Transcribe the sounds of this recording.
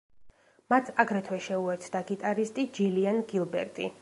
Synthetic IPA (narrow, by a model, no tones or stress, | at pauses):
mat̪ʰaɡɾɛt̪ʰwɛʃɛuɛɾt̪sʰd̪aɡit̪ʼaɾist̪ʼid͡ʒilianɡilˠbɛ̰ɾt̪ʼḭ